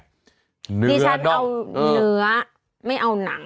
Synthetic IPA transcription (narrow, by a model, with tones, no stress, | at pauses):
nɯiː˧˦a˦˧˥n˦a˧wːnɯ˩˦ɐ | ma˥˩jʔa˧wna˩˦ŋ